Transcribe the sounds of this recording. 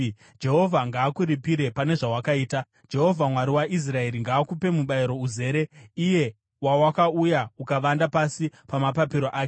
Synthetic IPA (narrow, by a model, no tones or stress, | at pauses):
d͡ʒe̞ɦo̞vʱaŋɡaːkuɾipiɾe̞pane̞ʐawakaiːta | d͡ʒe̞ɦo̞vʱamwaɾiwaʔis̬rae̞ɾiŋɡaːkupe̞muɓaiɾo̞uze̞ːɾe̞ije̞ | wawakaujaukaʋandapasipamapapiɾo̞ʔaːke